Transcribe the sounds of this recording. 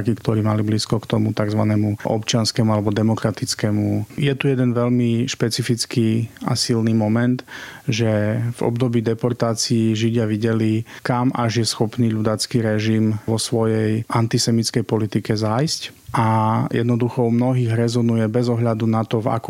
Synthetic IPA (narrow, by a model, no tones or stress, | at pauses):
kikt̪ɔɾiːmalibliskɔkt̪ɔmut̪aɡzʋa̰nɛːmuʔɔ̰pt͡ʃɪanskɛmualɛbɔd̪ɛmɔkɾat̪it͡skɛmujɛt̪ujɛd̪ɛnʋɛʎmiʃpɛt͡sifit͡skia̰silniːmɔmɛnt̪ʒɛvɔ̰bd̪ɔbiːd̪ɛpɔɾt̪aːt͡siiʒiɟɪaʋiɟɛlikamʔaʒjɛsxɔpniːʎud̪at͡skiɾɛʒimʋɔsʋɔjɛjʔant̪isɛmit͡skɛjpɔlit̪ikɛzajscʔajɛ̰d̪nɔd̪uxɔmnɔɦiːɣɾɛzɔnujɛbɛzɔɦʎad̪unat̪ɔva̰kɔ